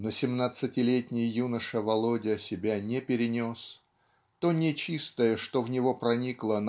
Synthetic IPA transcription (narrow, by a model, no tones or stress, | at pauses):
nəsʲɪmnat̪sɨtʲɪlʲetʲnʲɪjjunəʂəvɐlˠodʲɪəsʲɪbʲanʲepʲɪɾʲɪnʲos | t̪o̞nʲɪt͡ɕist̪əjəʂt̪o̞vnʲɪvo̞pɾɐnʲiklˠən